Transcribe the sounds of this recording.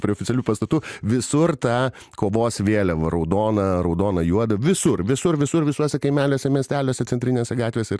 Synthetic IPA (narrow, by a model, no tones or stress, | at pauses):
pʲɾʲiɛoːfʲɪtt͡sʲɛlʲuːpɐst̪ɐt̪uːʋʲɪsʊrt̪ɑː | koːʋoːsʋʲeːlʲɛʋɐɾɐʊd̪oːnɐɾɐʊd̪oːnɐjuɔd̪ɐʋʲɪsʊrʋʲɪsʊrʋʲɪsʊɾʋʲɪsuɔsʲɛkɐɪmʲæːlʲoːsʲɛmʲiɛsʲt̪ʲæːlʲoːsʲɛt͡sʲɛnt̪ʲɾʲɪnʲeːsʲɛɡɑːt̪ʲʋʲeːsʲɛɪr